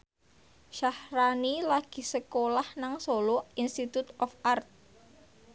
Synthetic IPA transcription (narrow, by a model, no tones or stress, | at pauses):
ʃahɾanilaɡ̥i̤səkolahnaŋsoloinst̪it̪ut̪ɔfart̪̚